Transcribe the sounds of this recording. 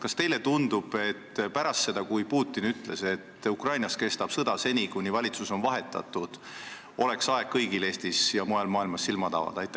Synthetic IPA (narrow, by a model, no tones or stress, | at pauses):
kɑst̪e̞jle̞t̪und̪ub̥e̞t̪ːpæɾɑst̪se̞d̪̥ɑkujpuːt̪ˑːinyt̪ːle̞se̞t̪ːukrɑjnɑske̞st̪ɑb̥sɤd̪̥ɑse̞nʲikunʲivɑlʲit̪suso̞nvɑɦe̞t̪ːˑɑ̰t̪ːˑud̪̥ | o̞le̞ksɑe̞ɡ̥̚kːɤjɡile̞ːst̪isjɑmojɑlmɑːilmɑsːilmɑt̪ɑ̰vɑ̰d̪̥ɑjt̪ːˑæ